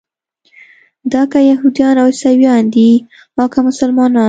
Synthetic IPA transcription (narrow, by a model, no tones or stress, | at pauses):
d̪ɑkajaɦud̪ijɑnawsawjɑnd̪i | mɑkamʊsalmɑnɑ